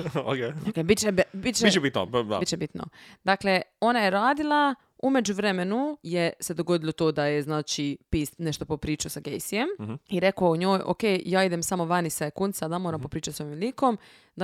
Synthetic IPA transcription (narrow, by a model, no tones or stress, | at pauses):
okeokebit̪t͡ʃebbit̪t͡ʃeit͡ʃebit̪no̰a̰it̪t͡ʃebit̪no̰d̪akle̞o̞najeɾaːd̪ilˠa | ume̞d͡ʑuʋɾemenujese̞d̪o̞ɡo̞d̪ilot̪oːd̪ajeznaːt͡ʃipiːsneʃt̪o̞popɾiːt͡ʃusaɡejsijemiɾekoooɲoːjʔo̰keːjaːid̪e̞msamo̞ʋanisaekunsad̪amoːɾampo̞pɾiːt͡ʃat̪soʋimliːkom | d̪a